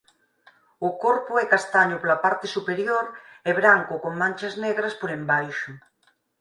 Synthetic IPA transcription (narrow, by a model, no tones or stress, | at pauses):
ʊkoɾpʊɛkast̪aɲʊpolapaɾt̪esupeɾjoɾeβɾaŋkʊkoŋmãnt͡ʃazneɣɾɐspoɾembajʃʊ